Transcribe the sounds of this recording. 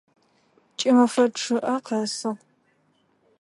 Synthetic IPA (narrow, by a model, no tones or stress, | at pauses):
t͡ʃʼɪmɐfɐʈ͡ʂʰɨʔɐqɐsɨʁ